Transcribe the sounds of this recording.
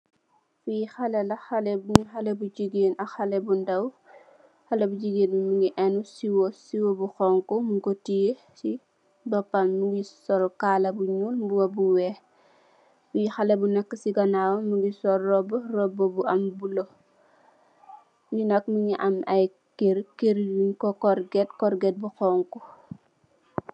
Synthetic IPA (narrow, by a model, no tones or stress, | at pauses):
fujixɐlɛlɐxɐlɛbuɲuxɐlɛbud͡ʒiɡeːnɐxɐlɛbundɐw | xɐlɛbud͡ʒiɡeːnmumuŋiʔɛnusiwɔsiwobuxɔŋkɔmukotije | si | bɐpːanmuɡisɔlkaːlɐbuɲuːlmbuwɐbuwɛː | muixɐlɐbunɛkːəsiɡɐnaːwɐmuŋɡisɔlːɔbɔrɔbɔbuɐmbulɔ | ɲinɐk̚muŋiʔɐmɐj | keɾkeɾjunkɔkɔrɡɛt̚kɔɾɡɛt̚buxɔːŋkɔ